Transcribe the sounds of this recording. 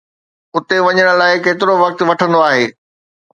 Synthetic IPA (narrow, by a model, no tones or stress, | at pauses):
ʊt̪eʋɐɲəɽ̃̆laːɪkeːt̪ɪɾoʋɐk̚t̪ʋɐʈʰə̃nd̪oaːɦeː